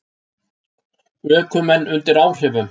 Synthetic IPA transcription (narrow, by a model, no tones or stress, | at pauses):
œːkʏmɛnːʏnt̪ɪɾaːwr̥ɛvʏm